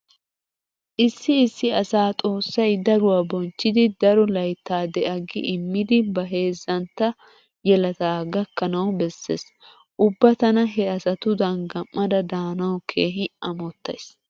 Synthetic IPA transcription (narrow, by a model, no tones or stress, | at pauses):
ʔɪsːɪːsːɪɐsaːt̪ʼo̞ːsːɐjd̪ɐɾʊwaːbɔnt͡ʃːɪd̪ɪd̪ɐɾɔlɐjt̪ːaːd̪ɛʔɐɡɪ̰ʔɪmːɪd̪ɪbɐɦe̞ːzːɐnt̪ːɐ | jɛlɐt̪aːɡɐkːɐnɐwbɛsːḛːs | ʔʊbːɐt̪ɐnɐɦɛɐsɐt̪ʊd̪ɐŋɡɐmːɐd̪ɐd̪aːnɐwkʰeːɦɪɐmɔt̪ːɐ̰js